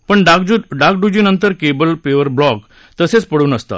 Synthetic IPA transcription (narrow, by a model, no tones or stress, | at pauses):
pəɳɖakd͡ʑuɖak̚ɖud͡ʑiːnənt̪əɾkebəlpeʋəɾblɔk | t̪əset͡spəɽuːnəst̪a̰